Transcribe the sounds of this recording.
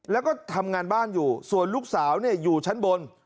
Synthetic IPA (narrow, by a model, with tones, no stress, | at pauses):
lɛː˦˥wkɔː˥˩t̪ʰa˧mŋaː˧nbaː˥˩njuː˨˩su˨˩ənluː˥˩k̚saː˩˦wni˥˩ɐjuː˨˩t͡ɕʰa˦˥nbo˧n